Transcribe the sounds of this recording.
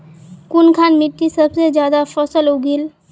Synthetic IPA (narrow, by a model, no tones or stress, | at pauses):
kʊnkʰaːnmɪʈːisəbsed͡ʒjaːd̪afʰɔsəlʊɡil